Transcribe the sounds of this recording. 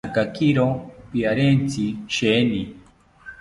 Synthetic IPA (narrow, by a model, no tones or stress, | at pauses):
kakiɾɔpiaɾɛnt͡sʰiʃɛni